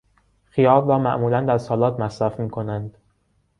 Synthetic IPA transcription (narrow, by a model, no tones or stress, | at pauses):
xijɒːbrɒːmæʔmuːlænd̪æɾsɒːlɒːt̪ʰmæsɾæfmiːkʰo̞nænd̪̥